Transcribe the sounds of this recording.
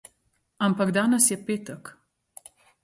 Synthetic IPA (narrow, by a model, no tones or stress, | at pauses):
ampaɡd̪aːnəsjɛpeːt̪ək